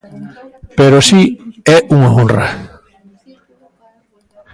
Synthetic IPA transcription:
peɾosiɛʔuŋaõnra̰

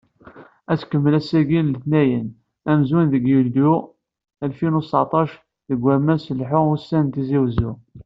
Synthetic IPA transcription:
æt͡skəmːəlæsæɡinləθnæjən | æmzunðəɡjuld̪u | ælfinusɑ̰ʕt̪ˤɑʃ | ðəɡʷːæmæsəlħʊusːænt̪iziwəzu

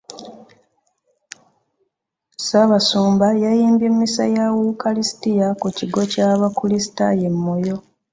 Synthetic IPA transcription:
saβasuːmbajajiːmbemːisa̰jawukalistijakuciɡo̞caːβakulisi̥ta̰je̞mːo̞jo̞

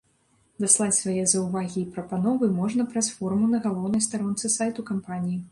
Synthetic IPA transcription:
d̪aslˠat͡sʲsvajɛzɐwvaɣʲiːpɾɐpanɔvɨmɔʐnɐpɾɐsfɔrmunɐɣalˠɔwnɐjst̪aɾɔnt̪sɨsajt̪ukampanʲiji

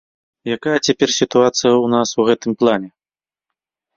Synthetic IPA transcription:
jakajɐt͡sʲapʲɛrsʲit̪uat̪sɨjɐwnasuɣɛt̪ɨmplˠanʲɛ

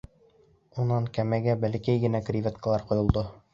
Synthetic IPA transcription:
unɑŋkæmæɡæbælɘkæjɡɘ̆nækrʲivʲet̪kəlˠɑɾqŏjŏlˠd̪o

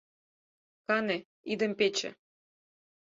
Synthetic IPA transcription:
kɑne | id̪ə̆mpet͡ɕḛ̆

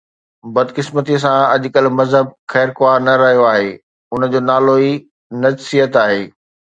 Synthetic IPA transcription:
bɐd̪kɪsmət̪is̬ãɐʄkəlmɐzɦəb̚xɛːɾkʊaːɾnɐɾɐɦijoaːɦeː | ʊnə̆d͡ʑoːnaːloi | nɐd͡ʑsijət̪aːɦeː

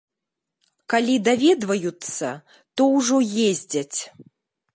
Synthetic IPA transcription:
kalʲid̪avʲɛd̪vɐjut̪sːɐ̰ | t̪ɔwʐɔjezʲd͡zʲɐt͡sʲ

